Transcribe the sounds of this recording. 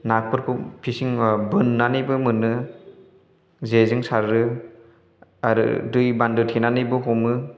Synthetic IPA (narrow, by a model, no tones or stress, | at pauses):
nak̚pʰɯɾpʰupʰisiŋbɯnːanɯjbɯmɯnɯ | zezɯŋsaɾɾɯ | aɾɯ̰dɯjbandɯtʰenanɯjbɯɦɔmɯ